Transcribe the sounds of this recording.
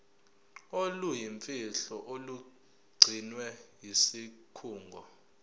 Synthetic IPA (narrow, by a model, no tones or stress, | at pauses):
olujiɱfʼiɬɔʔolu | ɡ͡ǀʱinwɛjisikʰuːŋɡʱɔ